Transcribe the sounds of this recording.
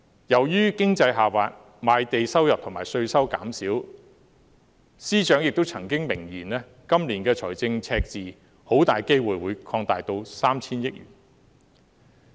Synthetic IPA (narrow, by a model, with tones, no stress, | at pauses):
jɐ˨˩wjyː˥kɪ˥ŋt͡sɐ˧jɦaː˨faː˨t̚ | maː˨˧jt̪e˨jsɐ˥wjɐ˨p̚t̪ʰʊ˨˩ŋmaː˨˩jsɵ˧ɥsɐ˥wka̰ː˨˥msiː˨˥w | siː˥t͡ʃœː˨˥ŋjɪ˨k̚t̪o˥wt͡sʰɐ˨˩ŋkɪ˥ŋmɪ˨˩ŋjiː˨˩nlɛː˥ | kɐ˥mliː˨˩nkɛː˧t͡sʰɔ̰ː˨˩jt͡sɪ˧ŋt͡sʰɛː˧k̚t͡siː˨ | ho˨˥wt̪aː˨jke˥jwuː˨˩jwuː˨˧jkʰɔː˧ŋt̪aː˨jt̪o˧wsaː˥mt͡sʰiː˥njɪ˥k̚ɥy̰ː˨˩n